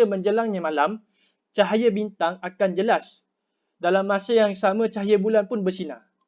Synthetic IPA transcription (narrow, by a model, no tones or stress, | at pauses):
əmə̃ɲd͡ʒəlaŋɲãmãlam | t͡ʃaɦajəbint̪aŋakand͡ʒəlas | dalamːãsajaŋsamãt͡ʃaɦajəbulanpʊnbərsinã